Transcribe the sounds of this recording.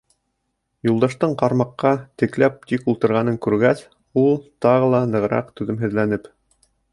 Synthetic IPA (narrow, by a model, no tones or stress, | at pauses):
julˠd̪ɑʃt̪ɤɴqɑɾmɑqːɑt̪ɘ̆klæp̚t̪ikulˠt̪ɤ̆ɾʁɑnɤŋkʉɾɡæs | ulˠt̪ɑʁɤlˠɑnɤ̆ʁɾɑ̰qt̪ʉðɘmɦɘ̆ðlænɘp